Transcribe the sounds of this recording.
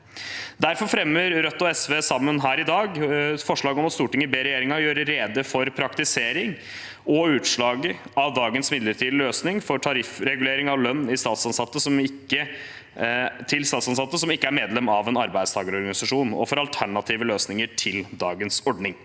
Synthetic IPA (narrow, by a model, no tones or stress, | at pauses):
d̪æɾfɔɾfɾɛmːəɾɾœt̪ːɔɛsʋeːsɑmːənɦæːɾɪd̪ɑːɡfɔʂɭɑːɡɔmɑt̪st̪uːʈɪŋːəbeːɾɛjeːɾɪŋɑjøːɾəɾeːd̪əfɔɾpʰɾɑkt̪ɪseːɾɪŋ | ɔʉːt̪ʂɭɑːɡəɑʋd̪ɑːɡənsmɪd̪ləʈʰiːd̪løːsnɪŋfɔʈʰɑɾɪfɾɛɡʉleːɾɪŋɑʋlœnːɪst̪ɑːt̪sɑnsɑt̪ːəsɔmɪkːə | t̪ʰɪlst̪ɑːt̪sɑnsɑt̪ːəsɔmɪkːəæɾmeːd̪lɛmːɑʋɛnɑɾbæɪd̪st̪ɑːɡəɾɔɾɡɑnɪsɑʂuːnɔ̰fɔɾɑlt̪ʰæɳɑt̪ʰiːʋəløːsnɪŋəʈʰɪld̪ɑːɡənsɔɖɳɪŋ